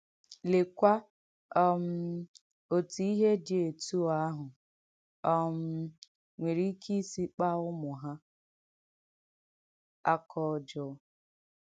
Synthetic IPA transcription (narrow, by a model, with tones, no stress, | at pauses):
le˨kʷa˦ | ɔ˦m̩˦ | o˨tu˨i˦ɦe˦dɪ˨e˨tu˦a˦ɦʊ˨ | ɔ˦m̩˦ | ŋʷe˨ɾi˦kʰi˦si˦k͡pa˦ʊ˦mʊ˨ɦa˦ | a˦kʰɔ˦˨d͡ʒɔ˨˦